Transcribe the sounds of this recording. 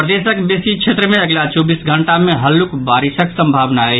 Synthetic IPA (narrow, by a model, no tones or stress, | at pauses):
pɾəd̪esəkbesikt͡ʃʰet̪ɾəmẽɐɡlat͡ʃɔːbisɡʱəɳʈamẽɦəlːukbaːɾɪsəksəmbʱaːʋnaɛ